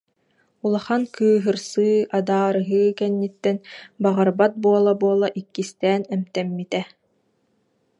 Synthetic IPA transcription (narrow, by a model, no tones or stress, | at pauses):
ulˠaχankʰɯːɦɯɾsɯːad̪aːɾɯɦɯːkɛnːit̪ːɛnbaʁaɾbat̪̚buɔlˠabuɔlˠaʔikːist̪ɛːnɛmt̪ɛmːit̪ɛ